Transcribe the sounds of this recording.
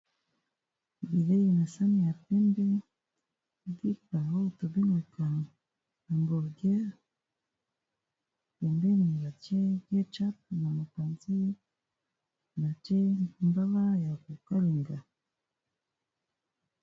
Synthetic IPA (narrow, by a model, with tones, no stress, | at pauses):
bi˨le˦ji˨na˨sa˦ni˦ja˨pɛ˦mbɛ˦ | di˦pa˨o˦˨to˨bi˦lu˨ka˨ | na˨mbɔ˨ɾɡja˦ | pɛ˨mbɛ˦ni˨βa˨t͡ʃɛ˦ɡjɛ˦t͡ʃa˦p̚na˨ma˨ka˨nzi˦ | na˨t͡ʃɛ˦mba˦βa˦ja˨ku˨ka˦li˨ŋɡa˨